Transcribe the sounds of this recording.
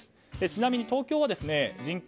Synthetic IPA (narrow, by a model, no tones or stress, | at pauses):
ɨ̥ | d̪e̞t͡ɕinamʲiɲ̟it̪o̞ːkʲo̞ːβad̪e̞sɨne̞d͡ʑĩŋk